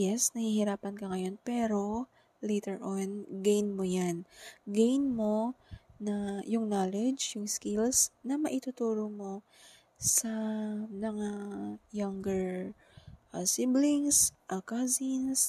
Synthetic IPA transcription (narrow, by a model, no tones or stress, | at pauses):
jɛsnɐhihɪɾaːpɐnkɐŋɐjo̞npɛːɾo̞ | lejt̪ɛɹʔonɡejnmo̞janɡejnmo̞nɐjʊŋnaːlɛd͡ʒjʊŋskɪlsnɐmɐʔɪt̪ʊt̪uːɾomo̞ | sɐmɐŋajɐŋɡɛɹ | ʔɐsɪblɪŋsʔɐkazins